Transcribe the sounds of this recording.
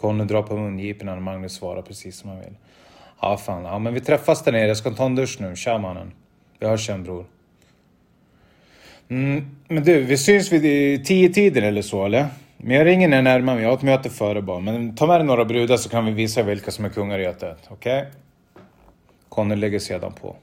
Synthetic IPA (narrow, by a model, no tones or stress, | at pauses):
kʰɔnːəd̪ɾɑːpʰɔmɵnjiːpənanmaŋvɪsvɑ̰ːɾapʰɾɛsiːsːɔmjanvɪ̰lː | a̰ːfaːnamɛnvɪt̪ʰɾɛfːasd̪æɳeːɾjas̬kant̪ʰɑːnd̪ɵʂnʉ̟ːɕaːmanːə̰n | vɪhaʂɛnbɾuːɾ | m̩mɛnd̪ʉːvɪsʏnsvɪt̪ʰiːət̪ʰiːd̪ənɛlːəʂoːɛlːəɾ | mɛnjɑhaɾɪŋːənæɳæɾmaɾmɛjɑːhat̪møːt̪əfœːɾəbɑːɾamɛnt̪ʰɑːmɛːɾɛnoːɾabɾʉːd̪aʂɔkʰanvɪviːsavɪlkasɔmæɾkʰɵŋːaɾøt̪ːət̪ɔkʰɛj | kʰɔnːəlɛɡːəʂeːd̪a̰npʰɔ̰